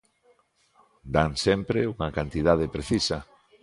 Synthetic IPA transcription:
d̪aŋsempɾeuŋɐkant̪ið̞að̞epɾeθisɐ

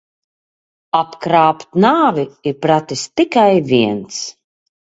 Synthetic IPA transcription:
apkɾaːpt̪naːviiɾpɾat̪ist̪ikajviɛns

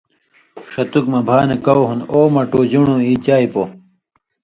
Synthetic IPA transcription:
ʂɐt̪ukmɐbʱaːnekɐoɦunoːmɐʈod͡ʑuɳoit͡ɕaːipo

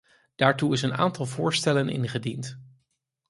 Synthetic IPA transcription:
d̥aːɹtuɪsəna̰ːntɑlˠvʊːɹstɛlənʔɪ̰nχədint

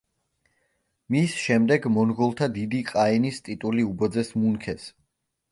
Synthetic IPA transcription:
misʃɛmd̪ɛɡmɔnʁɔlˠt̪ʰad̪id̪iqʼaɛnist̪ʼit̪ʼuliubɔd̪zɛsmunkʰɛs

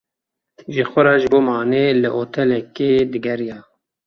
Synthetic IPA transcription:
ʒəxʷʊɾɑːʒɨboːmɑːneːlɨʔoːt̪ʰɛlɛkeːd̪ɨɡɛɾijɑː

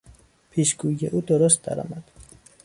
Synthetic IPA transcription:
pʰiːʃɡ̥uːijḛʔuːd̪oɾost̪̚d̪æ̰ɾɒ̰ːmæd̪̥

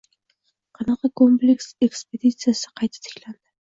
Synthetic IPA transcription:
qʰɑnɑqɑkʰomplekse̞kspe̞d̪it̪sɨjasɪ̥qʰɑjt̪ʰḁt̪ʰɪ̥kʲland̪ɪ

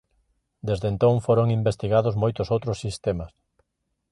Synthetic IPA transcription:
d̪ezðent̪õŋfoɾoŋimbest̪iɣaðʊzmojt̪ʊsowt̪ɾʊsːist̪emɐs

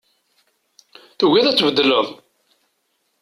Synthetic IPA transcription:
θuwiðæt͡sːvəd̪ːələðˤ

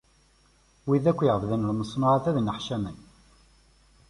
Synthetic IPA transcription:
wiðækʷːjəʁəvðənəlməsˤːnɑʁaθæðnəħʃæmən

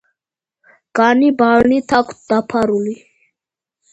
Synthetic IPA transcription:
ɡ̥anibalnit̪ʰak̪ʰd̪apʰaɾuli

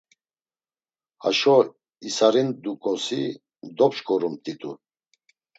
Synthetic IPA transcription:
ha̰ʃɔ | isaɾind̪ukʼɔsi | d̪ɔpt͡ʃkʰʼɔɾumt̪ʼit̪ʼṵ

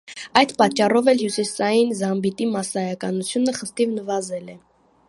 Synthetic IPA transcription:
ɑjd̪pɑt͡ʃːɑrɔvɛlhjusisɑjinzɑmbit̪imɑsɑjɑkɑnut͡sʰjunəχəst̪ivnəvɑzɛlɛ

